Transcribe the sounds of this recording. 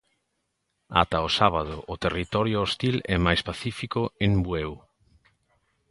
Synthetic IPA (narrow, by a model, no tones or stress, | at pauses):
a̰t̪aosaβað̞ʊʔot̪erit̪ɔɾjʊost̪ilɛmajspaθifikoeŋbwew